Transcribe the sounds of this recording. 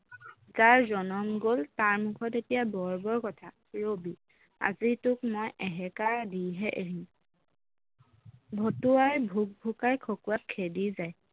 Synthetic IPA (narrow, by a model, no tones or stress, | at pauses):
zaɹzɔnɔmɡoltaɹmukʰɔtetijabɔɹbɔɹkɔtʰa | ɹobi | a̰zitʊkmojʔɛɦɛkadiɦɛʔeɦĩ | bʱotuajbʱuk̚bʱukajkʰokuatkʰːedizaj